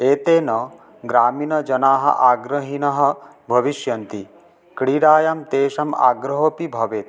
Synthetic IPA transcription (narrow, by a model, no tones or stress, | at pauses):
eːt̪eːnɐ | ɡɾaːminɐd͡ʒɐnaːɦɐ̰ʔaːɡɾɐɦinɐɦɐ̆ | bʱɐʋiʃjɐnt̪i | kɽiɽaːjɐmt̪eːʃɐma̰ːɡɾɐɦoːpibʱɐʋeːt̪̚